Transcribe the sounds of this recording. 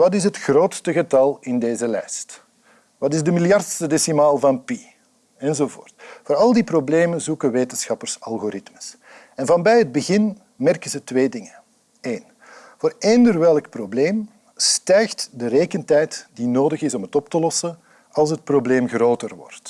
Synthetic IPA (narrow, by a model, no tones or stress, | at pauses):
ʋɑtɪsɦətxroːtstəɣətɑlˠɪndeːzəlɛjst | ʋɑtɪzdəmɪljɑrtstədesimaːlˠvɑnpi | ɛnzoːvo̰ːrtvoːɾɑlˠdiprobleːmənzukəʋeːtənsxɑpərsɑlˠɣoɾɪtmə̥s | ɛnvɑnbɛjɦəd̚bəɣɪn | mɛrkənzətʋeːdɪŋə | eːn | voːɾeːndərʋɛlˠk̚probleːm | stɛjxtdəɾeːkəntɛjtdinoːdəɣɪsɔmɦətɔp̚təlɔsə | ɑlˠs̬ɦət̚probleːmɣroːtərʋɔ̰rt